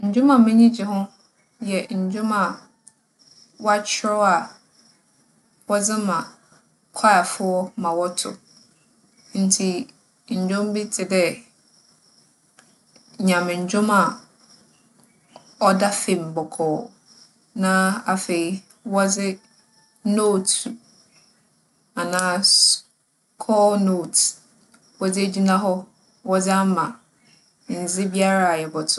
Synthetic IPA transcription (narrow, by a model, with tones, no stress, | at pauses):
ɲ̩˨d͡ʑᶣʊ̃˦mã˨mɛ̃˦ɲĩ˦d͡ʑɪ˨ɦʊ̃˦ | jɛ˨ɲ̩˨d͡ʑᶣʊ̃˦mã˨ | wɔ˦a˦t͡ɕʰɪ˦ɾɔ˦a˨ | wɔ˦d͡zɪ˦mã˨ | kʰɔ˦a˨fʊ˦ɔ˦mã˨wɔ˦tʰʊ̰˨ | n̩˨tʰi˨ | ɲ̩˨d͡ʑᶣʊ̃˦m˦bi˦tʰɪ˨dɛ˦ | ɲã˨mɪ̃˨ɲ̩˨d͡ʑᶣʊ̃˦ma˨ | ɔ˦da˦fẽ˨m˨bɔ˨kʰɔː˨ | nã˦a˨fe˨i˦ | wɔ˦d͡zɪ˦ | no˦˨t | a˨nãː˦ | kʰɔː˦noː˦˨t | wɔ˦d͡zɪ˦e˦d͡ʑi˦nã˦ɦɔ˦ | wɔ˦d͡zɪ˦a˦mã˨ | n̩˨d͡zɪ˦bi˦a˦ɾa˨a˨jɛ˨bɔ˨tʰʊ˦˨